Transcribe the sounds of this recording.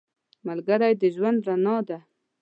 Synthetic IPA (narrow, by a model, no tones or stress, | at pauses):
malɡaɾajd̪əʒwand̪ɾanɑd̪a